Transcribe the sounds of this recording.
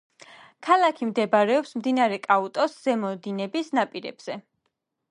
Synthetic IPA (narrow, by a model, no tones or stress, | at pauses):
kʰalˠakʰimd̪ɛbaɾɛɔpsmd̪inaɾɛkʼaut̪ʼɔsz̥ɛmɔd̪inɛbisnapʼiɾɛ̰b̥z̥ɛ